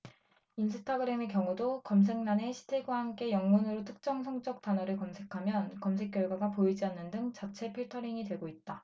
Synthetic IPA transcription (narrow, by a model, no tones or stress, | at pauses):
ins̬ʰɯtʰaɡɯɾe̞mekjʌŋudokʌms̬ʰe̞ŋnane̞ɕʰi̥tʰeɡwahamk͈e̞jʌŋmunɯɾotʰɯ̥k̚t͡ɕ͈ʌŋsʰʌŋt͡ɕ͈ʌk̚t͈anʌɾɯɭkʌmsʰe̞kʰamjʌnkʌmsʰe̞k͈jʌɭɡwaɡapoid͡ʑianːɯndɯŋt͡ɕat͡ɕʰe̞pʰeɭtʰʌɾiŋidwe̞ɡoit̚t͈a